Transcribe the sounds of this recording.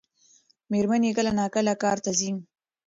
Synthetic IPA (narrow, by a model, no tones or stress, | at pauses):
meɾmanekəlanɑːkəlakɑːɾt̪azin